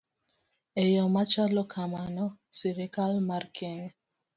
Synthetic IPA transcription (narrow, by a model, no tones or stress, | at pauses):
ejɔmat͡ʃalɔkʰamanɔ | siɾekalmarkʰɛŋɛ